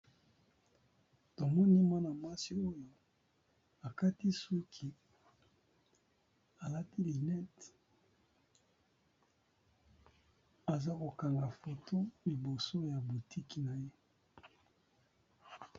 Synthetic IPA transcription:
to˨mɔ˦ni˦ma˦na˨ma˦si˨o˦jo˦ | a˨ka˦ti˦su˦kʰi˨ | a˨la˦ti˦li˨nɛ˦t | a˨za˦ko˨ka˨ŋɡa˨fo˨tʰo˦li˨bo˨so˦ja˨bu˨ti˦ki˨na˨je˦

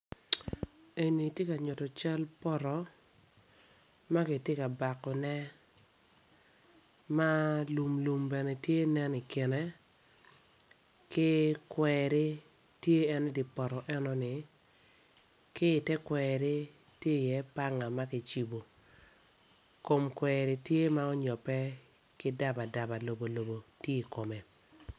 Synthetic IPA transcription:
e˨ni˨tje˦ka˨ɲʊ˨tɔ˨t͡ʃa˦lpɔ˦ɾɔ˨ | ma˦kɪ˨te˦ka˨ba˨kːɔ˨nɛ˦ | ma˦lu˨mlu˨mbɛ˨nɛ˨tje˦nɛ˦ni˨kɪ˨nɛ˦ | kɪ˦kwɛɾɪ˦ | tje˦ɛ˦n˦dɪ˨pɔ˨ɾɔ˨ʔɛ˦nɔ˦nɪ˨ | kɪ˦˨tɛ˦kwɛɾe˦ | tje˦˨jɛ˦pa˦ŋa˨ma˦kɪ˦t͡ʃi˦bo˨ | ko˨mkwɛɾɪ˨tje˦ma˦ɔ˦ɲɔ˨pɛ˦ | kɪ˦da˦ba˨da˨ba˨lo˨bo˨lo˨bo˨tje˦i˨ko˨me˨

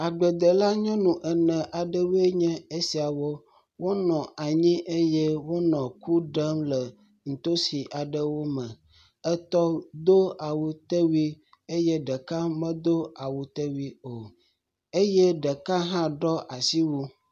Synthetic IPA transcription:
a˨ɡ͡bə˨d̪ə˨la˦ɲɔ̃˦nũ˨ʔɛ˨nɛ̃˨ʔa˨ɖə˦wu˦e˦ɲɛ̃˦e˦si˨a˨wo˦ | wo˦nɔ̃˨ʔa˨ɲĩ˦ʔe˦je˦wo˦nɔ̃˨ku˦ɖə˦mlə˨ | ŋ̩˨t̪o˦si˨ʔa˨ɖə˦wo˦mə̃˨ | ə˦t̪ɔ˦d̪o˦a˨wu˨t̪ə˦wi˦ | e˦je˦ɖə˨ka˦mə̃˦d̪o˦a˨wu˨t̪e˦wi˦o˨ | e˦je˦ɖə˨ka˦ɦã˦ɖɔ˦ʔa˨si˦wu˦

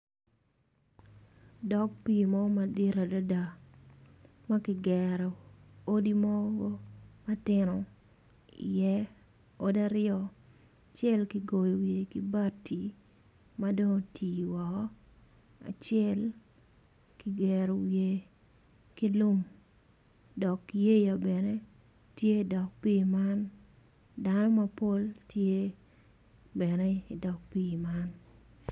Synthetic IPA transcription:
dɔ˦k̚pi˦mɔ˦ɡma˨di˦ɾa˨da˦da˨ | ma˦kɪ˨ɡɛɾɔ˨o˦di˦mɔ˦ɡɔ˦ma˦tɪnɔ˨ | ḭ˨jɛ˦ | o˦da˦ɾɪjɔ˦ | t͡ʃjɛ˦lki˨ɡo˨jo˨wje˨ki˦ba˦tʰːi˨ | ma˦do˦ŋtʰiː˨wa˨kɔ˦ | a̰˨t͡ʃɪɛ˦l | ki˦ɡɛ˨ɾo˨wje˨ | ki˦lʊ˦m | dɔ˨kje˦ja˨bɛ˨ne˦ | tje˦i˨dɔ˨k̚pi˦ma˦n | da˦nɔ˦ma˦po˦ltʰje˦ | bɛ˨nɛ˦i˨dɔ˨k̚piː˦˨ma˦n

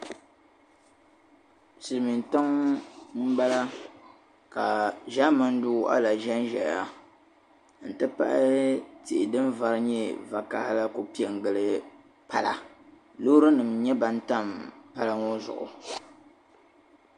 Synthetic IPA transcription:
sɨ˨lmi˨n˨ta˦ŋm̩˦ɡ͡ba˦la˦ | ka˨ʒa˦ma˦n˦du˦˨ʔa̰˦la˨ʒɛ˦n˦ʒɛ˨ja˦ | n̩˨tɨ˦pa̰˦ʔɪ˦ti˨ʔɪ˨dɨ˦nva˦ɾɨ˦ɲɛ˦va˨ka˦hɪ˦la˦ko˨pi˦ɛ˨ŋ˨ɡɨ˨lɨ˦ | pa˦˨la˦ | lo˦ɾɨ˦nɨ˨mɲɛ˦ba˨n˦ta˦˨mpa˦la˦ŋo˦zʊ̰˨ʔʊ̰˨

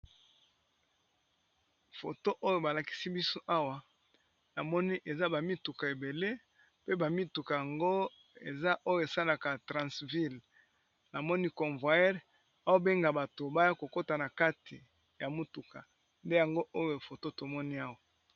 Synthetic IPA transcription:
fo˨to˦ʔo˦jo˦˨ba˨la˨ki̥˦si˦bi˦so˦ʔa˦wa˨ | na˨mɔ˦ni˦ʔe˨za˦ba˨mi˦tu˨ka˨e˨be˨le˦ | pe˦ba˨mi˦tu˨ka˨ja˨ŋɡo˦ | e˨za˦ʔo˦jo˦e˨sa˦la˨ka˨tʁã˨svi˦l | na˨mɔ˦ni˦kɔ̃˨ɱvwa˨jɛ˦ʁ | a˦wa˦be˦ŋɡa˨ba˨to˨ba˦ja˦ko˨ko˦ta˨na˨ka˦tʰi˨ | ja˨mu˦tu˨ka˨ | nde˦ja˨ŋɡo˦ʔo˦jo˨fo˨to˦to˨mɔ˦ni˦a˦wa˨

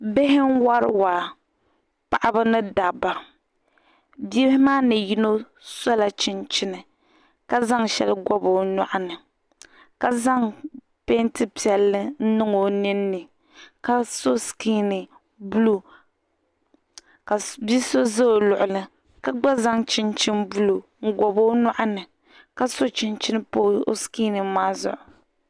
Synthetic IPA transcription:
be˦ɦɪ˦ŋ˦wa˦ɾɨ˦wa˨ | pa˨ʔa˦bɨ˦nɨ˦da˨ba˨ | bɛ˦hɪ˦maː˦nɨ˨ji˦no˦ | sɔ˦la˨t͡ʃɪ˦nt͡ʃɪ˦nɨ˨ | ka˦za˦ŋʃɛ̰˦lɨ˦ɡɔ˦bo˨nɔ̰˨ʔa˦nɨ˨ | ka˦za˦ŋ | pe˦ntɨ˦pi˨ɛ˨lːɨ˦n̩˦nɨ˦ŋo˨nɨ˦nːɨ˨ | ka˦so˦skiː˦nɨ˨ | bu˦lu˦ | ka˨bi˦so˦za˦o˨lʊ˨ʔʊ˨lɨ˨ | ka˦ɡ͡ba˦za˦ŋt͡ʃɪ˦nt͡ʃɪ˦nbu˦lo˨ŋ̩˦ɡɔ˨bo˦nɔ˦ʔa˦nɨ˨ | ka˦so˦t͡ʃɪ˨nt͡ʃɪ˦nɨ˦poː˦o̰˦skiː˦nɨ˨˦maː˦zʊ̰˨ʔʊ˨

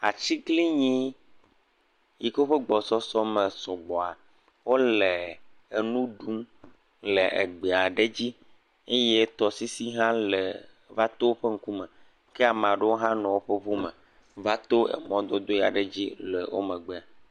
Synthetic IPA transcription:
a̰˨t͡ɕi˦ɡli˦ɲĩ˦ | ji˦kwo˦ɸe˦ɡ͡bɔ˨sɔ˦sɔ˦mẽ˨sɔ˨ɡ͡bɔ˨a˨ | wo˦le˨e˨nũ˦ɖu˦m | le˨ʔḛ˨ɡ͡be˨a˨ɖe˦d͡ʑi˦ | e˦je˦t̪ɔ˨si˦si˦ɦã˦le˨ | va˦t̪o˦wo˦ɸe˦ŋ̩˦ku˦mɛ̃˨ | ke˦a˨m˨ã˨ɖe˦wo˦ɦã˦nɔ̃˨wo˦ɸe˦βu˦mḛ˨ | va˦t̪o˦ḛ˨mɔ̃˦d̪ɔ˦d̪o˦ja̰˨ɖe˨d͡ʑi˦le˨wʔo̰˦mẽ˨ɡ͡be˦a˨

